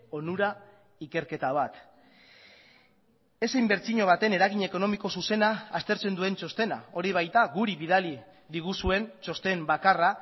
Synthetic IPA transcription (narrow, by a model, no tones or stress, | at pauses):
o̞nuɾa | ike̞ɾke̞t̪aβ̞at̪ | e̞sejmbe̞ɾt͡siɲo̞β̞at̪e̞ne̞ɾaɣ̞iɲe̞ko̞no̞miko̞suse̞naːst̪e̞ɾt͡se̞nd̪ue̞nt͡ʃo̞st̪e̞na̰o̞ɾiβ̞ajt̪aɣuɾiβið̞ali | ðiɣ̞usue̞nt͡ʃo̞st̪e̞mbakara